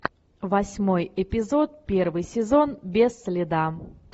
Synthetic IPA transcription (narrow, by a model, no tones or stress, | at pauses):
vɐsʲmojɪpʲɪzo̞t̪̚pʲervɨjsʲɪzo̞nbʲesːʲlʲɪd̪a